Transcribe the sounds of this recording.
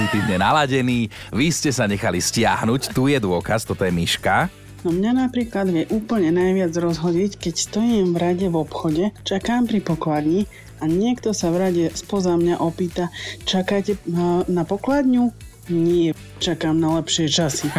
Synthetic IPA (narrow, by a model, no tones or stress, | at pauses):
it̪iːvɲɛnalaɟɛniː | ʋiscɛsaɲɛxaliscɪa̰ɦnuct̪ujɛd̪ʊɔkast̪ɔt̪ɔjɛmiʃka | nɔmɲanapɾiːklad̪ʋjɛʔuːpl̩ɲɛnajʋɪad͡zɾɔzɦɔɟiːckɛcst̪ɔjiːmvɾaɟɛʋɔpxɔɟɛt͡ʃakaːmpɾipɔklad̪ɲi | aɲɪɛkt̪ɔsavɾaɟɛspɔzamɲaʔɔpiːt̪at͡ʃakacɛnapɔklad̪ɲu | ɲɪɛ | t͡ʃakaːmnalɛpʃɪɛt͡ʃasi